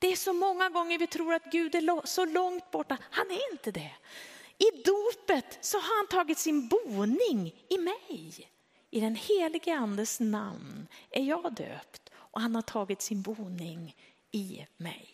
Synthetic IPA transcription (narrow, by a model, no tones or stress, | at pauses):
d̪̥ɛːʂɔmɔŋːaɡɔŋːəɾvɪt̪ʰɾuːɾat̪ɡʉ̟ːd̪æɭɔsɔlɔŋt̪̚bɔʈːahanæɾɪnt̪əd̪ɛ | ɪd̪uːpət̪sɔɦaɾhant̪ʰɑːɡɪt̪sɪnbuːnɪŋɪmɛj | ɪd̪ɛnheːlɪɡəand̪əsna̰mnæɾjɑːɡd̪ø̰ːpt̪ʔɔhanhaʈʰɑːɡɪt̪sɪnbuːnɪŋ | ɪmɛ̰j